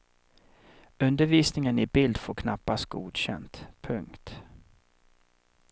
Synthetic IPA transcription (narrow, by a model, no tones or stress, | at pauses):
ɵnd̪əɾviːsnɪŋənɪbɪld̪foːɾkʰnapːast̪̚ɡ̥ṵːd̪ɕɛ̰nt̪pʰɵŋkt̪